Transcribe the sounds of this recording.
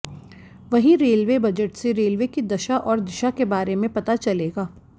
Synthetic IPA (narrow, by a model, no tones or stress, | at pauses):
ʋɐɦĩɾeːlʋebɐd͡ʒəʈseɾeːlʋekid̪ɐʃaʔɔːɾd̪ɪʃakebaːɾemẽpɐt̪at͡ʃɐleːɡaː